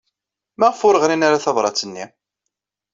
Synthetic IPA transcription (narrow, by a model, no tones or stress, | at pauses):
mæʁəfʊɾəʁɾinaɾaθɑvˤɾˤɑ̰t͡sːənːi